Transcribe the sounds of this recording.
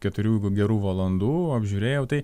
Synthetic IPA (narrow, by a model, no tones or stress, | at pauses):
kʲɛt̪ʊɾʲuːɡʲɛɾuːʋɐlˠɐnd̪uːɐbʲʒʲuːɾʲeːjɛʊt̪ɐɪ